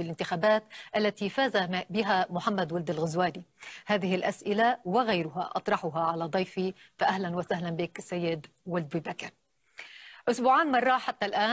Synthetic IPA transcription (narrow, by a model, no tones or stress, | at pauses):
ɪlʔɪnt̪ɪxaːbaːt̪ʔalːat̪ifaːzabɪɦamʊħamːad̪wʊld̪ɪlɣʊzwaːlihaːðɪhɪlʔasʔɪlawɪɣajɾʊɦa̰ʔɑ̰t̪ˤɾˤɑħʊɦaʕalad̪ˤɑjfifaʔahlanwasaɦlanbiːksːajːɪd̪wʊld̪biːbakɪɾ | ʔʊsbuːʕaːnmɑrˤːɑħat̪ːalʔaː